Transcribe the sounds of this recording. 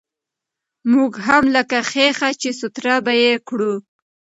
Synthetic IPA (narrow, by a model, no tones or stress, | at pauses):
muɡɦamləkaxexat͡ʃesʊt̪ɾabajekɽu